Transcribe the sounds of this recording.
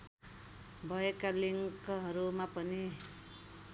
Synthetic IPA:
bʱʌekaliŋkʌɦʌɾumapʌni

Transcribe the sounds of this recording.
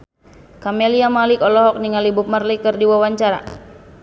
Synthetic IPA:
kamɛliamalikɔlɔɦɔk̚niŋalibup̚marlikɨrdiwawaɲt͡ʃaɾa̰

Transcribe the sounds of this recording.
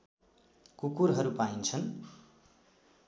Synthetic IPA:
kukuɾɦʌɾupaint͡sʰʌn

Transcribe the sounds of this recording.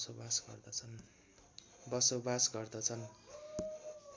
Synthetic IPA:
sobasɡʌ̰rd̪ʌt͡sʰʌn | bʌsobasɡʌrd̪ʌt͡sʰʌn

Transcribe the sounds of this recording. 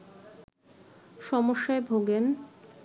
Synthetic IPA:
ʃɔmoʃːaebʱoɡen

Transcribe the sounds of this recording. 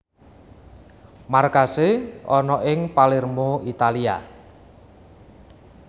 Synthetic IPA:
markaseʔɔnɔʔɪŋpalɪrmoit̪alia̰

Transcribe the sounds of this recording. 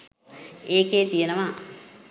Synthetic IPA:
eːkeːt̪ijenəʋa

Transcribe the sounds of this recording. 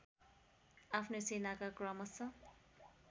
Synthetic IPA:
apʰnosenakakrʌmʌsʌ

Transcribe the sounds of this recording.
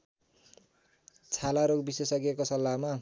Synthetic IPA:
t͡sʰalaɾoɡbiswesʌkiekosʌlːama

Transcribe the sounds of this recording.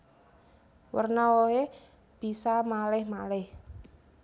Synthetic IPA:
wə̰rnawoe | b̥i̤samalɪhmalɪh

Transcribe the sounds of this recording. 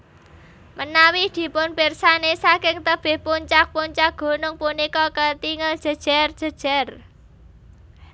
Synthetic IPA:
mənawid̪̥i̤pʊnpersanesakɪŋt̪əb̥e̤hpuɲt͡ʃak̚puɲt͡ʃak̚ɡ̥o̤nʊŋpunikɔkət̪iŋəld̥ʒ̥ə̤d̥ʒ̥a̤rdʒ̥ə̤d̥ʒ̥a̤r

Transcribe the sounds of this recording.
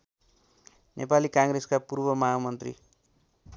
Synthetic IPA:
nʔepalikãŋɡɾeskapurbʌmaɦamʌnt̪rḭ

